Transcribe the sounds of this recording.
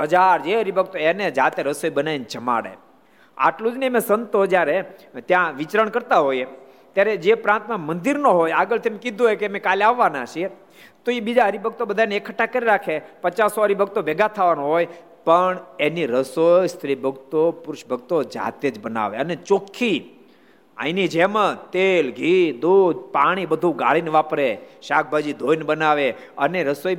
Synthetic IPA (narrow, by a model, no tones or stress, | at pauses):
ɦəd͡ʒaɾd͡ʒeəɾibʱəɡ̚t̪oened͡ʒat̪eɾəsojbənaint͡ʃəma̰ɽḛ | a̰ʈlud͡ʒnemẽsənt̪od͡ʒjaɾet̪jãʋɪt͡ʃɾəɳkəɾt̪aɦoje | t̪jaɾed͡ʒepɾãnt̪mãmənd̪iɾnoɦojaɡəlt̪ʰemẽkɪd̪ʱoɦejkemẽkalaʋːanat͡ʃʰie | t̪oibid͡ʒaɦəɾibʱəɡ̚t̪obəd̪ʱaneekʰəʈːakəɾiɾakʰepət͡ʃasoɦəɾibʱəɡ̚t̪obeɡat̪ʰaʋanoɦoj | pəɳeniɾəsojst̪ʰɾibʱəɡt̪opʊɾʊʃbʱəɡ̚t̪od͡ʒa̰t̪ed͡ʒbəna̰ʋḛənet͡ʃokʰːi | ã̰ĩnid͡ʒemãt̪elɡʱid̪od̪paɽ̃ibəd̪ʱuɡa̰ɭinʋapɾeʃak̚ʰbʱad͡ʒid̪ʱojnbənaʋe | əneɾəsoj